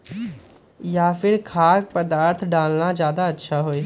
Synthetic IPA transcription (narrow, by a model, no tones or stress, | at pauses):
jaːpʰɪɾkʰaːk̚pəd̪aːɾt̪ʰɖaːlnad͡ʒjaːd̪aɐtːʃʰaɦoeː